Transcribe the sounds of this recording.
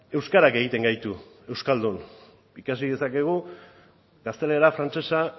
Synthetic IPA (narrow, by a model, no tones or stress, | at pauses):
e̞wskaɾake̞ɣ̞it̪e̞ŋɡajt̪u | e̞wskald̪un | ikasið̞e̞sake̞ɣ̞u | ɡast̪e̞le̞ɾafɾant͡se̞sa